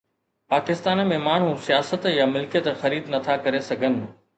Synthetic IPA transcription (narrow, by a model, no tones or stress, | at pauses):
paːkɪst̪aːnmẽmaːɳ̤ũsijaːsət̪jamɪlkijət̪xɐɾiːd̪nɐt̪ʰakɐɾesɐɡʱənɪ̆